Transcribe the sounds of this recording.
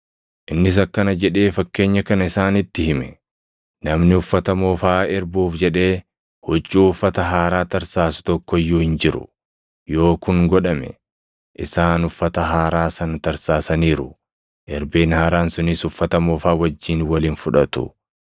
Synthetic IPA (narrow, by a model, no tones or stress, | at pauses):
ʔɪnːɪs̬ɐkːɐnɐd͡ʒɛᶑe̞ːfɐkːe̞ːɲːɐkɐnɐɪsaːnɪt̪ːɪhɪmɛ | nɐmnɪʊfːɐt̪ɐmoːfaːɛɾbuːfd͡ʒɛᶑe̞ː | hɔt͡ʃːuːʊfːɐt̪ɐɦaːɾaːt̪ɐɾsaːsʊ̥t̪ɔkːɔɪjːuːhɪnd͡ʒɪɾʊ̰ | jo̞ːkʊŋɡɔᶑɐmɛ̰ | ʔɪsaːnʊfːɐt̪ɐɦaːɾaːsɐnɐt̪ɐɾsaːsɐniːɾʊ | ʔɛɾbeːnhaːɾaːnsʊnɪsʊfːɐt̪ɐmoːfaːwɐd͡ʒːiːnwɐliːnfʊᶑɐt̪ʊ̰